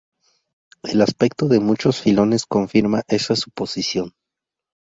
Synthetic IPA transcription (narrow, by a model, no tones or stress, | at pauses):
e̞laspek̚t̪o̞ðe̞mut͡ʃosfilo̞ne̞sko̞ɱfiɾmaʔe̞sasu̥po̞sisjo̞n